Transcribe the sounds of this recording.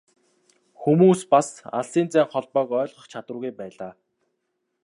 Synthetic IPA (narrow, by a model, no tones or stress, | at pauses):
xumuːspasa̰ɮsiːnt͡sæːŋχɔɮpœːkœːɮχɞ̆χt͡ɕʰat̪wə̆ɣujpæːɮaː